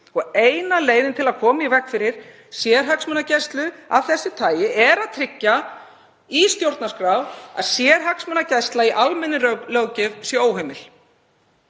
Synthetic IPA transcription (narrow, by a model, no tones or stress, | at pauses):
ɔɣeːjnaleːjðɪnt̪ʰɪlaðkʰɔːmaivɛhkfɪɾɪɾ̥ | sjɛɾ̥ɦaksmœnacɛst̪lʏa̰ðθɛsːɪt̪ʰaːjɪʔɛɾaðt̪ʰɾɪcːa | ist̪jowɾt̪nḁskɾawa̰ðsjɛːɾ̥ɦaksmœnacɛst̪laiʔalmɛnːɪlœwcɪvsjɛoːwɦejmɪl